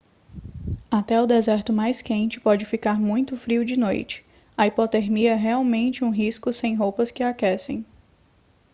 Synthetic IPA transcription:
at̪ɛʊd̪ezɛɾt̪ʊmajskẽnt͡ʃɪ̥pɔd͡ʒɪfikaɾmũj̃t̪ʊfɾiʊd͡ʒɪnojt͡ʃɪ̥ | ɐipɔt̪eɾmiɛɦeawmẽnt͡ʃɪũɦiskʊsẽj̃ɦowpɐskɪakɛsẽj̃

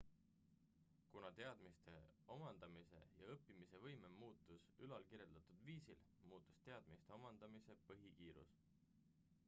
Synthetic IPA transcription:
kunɑt̪e̞ɑd̪̥mist̪e̞o̞mɑnd̪̥ɑmise̞̰jɑɤpːimise̞vɤjmemuːt̪ːˑusylɑlkiɾje̞ld̪̥ɑt̪ud̪̥viːsilmuːt̪ːˑu̥st̪e̞ɑd̪̥mist̪e̞omɑnd̪̥ɑmise̞pɤɦikiːɾṵs

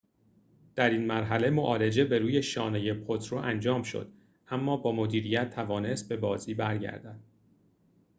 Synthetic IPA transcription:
d̪̥æɾiːnmæɾɦæle̞mo̞ʔɒːle̞d͡ʒe̞be̞ɾuːje̞ʃɒːneje̞pʰot̪ʰɾoʔænd͡ʒɒːmʃo̰d̪̥ | ʔæmːɒːbɒːmod̪iːɾijæt̪ʰːævɒːne̞st̪̚be̞bɒːziːbæɾɟæ̰ɾd̪æd̪̥̚

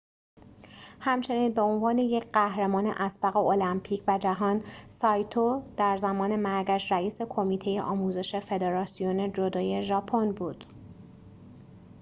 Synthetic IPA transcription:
hæmt͡ʃʰe̞niːnbeonvɒːne̞je̞cʰɢæhɾemɒːne̞̰ʔæsbæɣeolæmpʰiːcʰvæd͡ʒæɦɒːnsɒːjt̪ʰod̪̥æɾzæmɒːne̞mæɾɡæʃɾæiːse̞kʰo̞miːt̪ʰe̞jḛʔɒːmuːze̞ʃe̞fe̞d̪eɾɒːsijone̞d͡ʒo̞d̪ɒːje̞ʒɒːpʰonbuːd̪̥

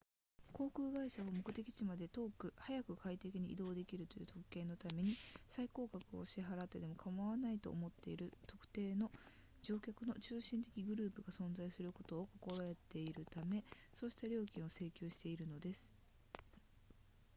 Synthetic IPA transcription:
ko̞ːkɯ̟ːɡaiɕaβamo̞kɯ̟t̪e̞kʲi̥t͡ɕimad̪e̞t̪o̞ːkɯ̟hajakɯ̟kait̪e̞kʲiɲ̟iḭd̪o̞ːd̪e̞kʲiɾɯ̟t̪o̞jɯ̟ːt̪o̞kɯ̟̥kːẽ̞nːo̞t̪ame̞ɲ̟isaiko̞ːkakɯ̟o̞̰ɕiɦaɾat̪ːe̞d̪e̞mo̞kʰamaβanait̪o̞̰ːmo̞t̪ːe̞iɾɯ̟t̪o̞kɯ̟̥t̪e̞ːno̞ | d͡ʑo̞ːkʲakɯ̟no̞t͡ɕɨːɕĩnt̪e̞kʲiɡɯ̟ɾɯ̟ːpɯ̟ɡasõ̞nzaisɨɾɯ̟ko̞t̪o̞ːko̞ko̞ɾae̞t̪e̞iɾɯ̟t̪ame̞ | so̞ːɕi̥t̪aɾʲo̞ːkʲĩɰ̃o̞se̞ːkʲoːɕi̥t̪e̞iɾɯ̟no̞d̪e̞sɨ̥

